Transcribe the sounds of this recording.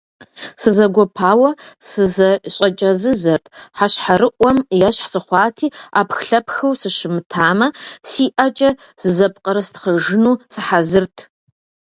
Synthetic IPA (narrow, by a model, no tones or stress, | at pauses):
sɨzɐɡʷɔpʰaːwɐsɨzɐɕʼɐt͡ʃʼɐzɨzɐrtʰħaɕħaɾɨʔʷɔmjɐɕħsɨχʷɑːtʰiːaːpʰxɬɐpxɐwsɨʃɪmɨtʰaːmɐsiːʔat͡ʃʼɐ | z̥ɨzɐpqʼɐɾɐstχəʒɨnuːsɨħazɨrtʰ